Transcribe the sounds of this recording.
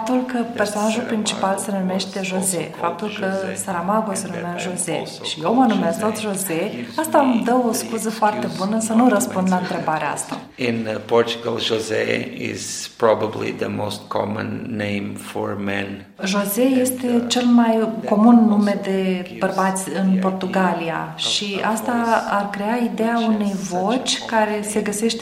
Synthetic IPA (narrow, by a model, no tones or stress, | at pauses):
ap̚t̪ulkəperso̞naʒulpɾint͡ʃi̥palse̞nume̞ʃt̪e̞ʒo̞ze̞fap̚t̪ulkəsaɾamaɡose̞numeaʒo̞zḛ | ʃijewmənumest̪o̞t̪sʲʒo̞zeast̪amd̪əwoskuzəfoart̪e̞bunəsənurəspund̪laɨnt̪ɾe̞baɾeaa̰st̪a̰ | ɪ̃npɔɾt͡ʃuɡə̰lˠʒozḛɪ̰z̥pɾɔbəblḭðəmo̰st̪̚kʰɔ̰mə̰̃nːẽɪ̃mfɔ̰ɹmɛ̰̃n | ʒo̞ze̞je̞st̪e̞t͡ʃe̞lmajko̞munːume̞d̪e̞b̥ərbat̪sʲɨnpo̞rt̪uɡalia̰ʃʃiast̪aarkɾe̞aid̪ejaune̞jvo̞t͡ʃʲkaɾe̞se̞ɡəse̞ʃt̪e